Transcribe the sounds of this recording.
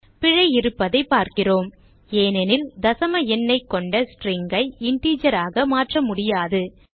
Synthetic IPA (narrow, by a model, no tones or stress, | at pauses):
pɪɻɐɪɪɾɯpːɐðɐɪpːaːɾkɪroːm | eːnɛnɪld̪ɐsɐmɐɛnːɐɪkːɔɳɖɐsʈriːŋɡɐɪɪɳʈiːd͡ʒɐɾaːɣɐmaːʈrɐmʊɽɪjaːðɯ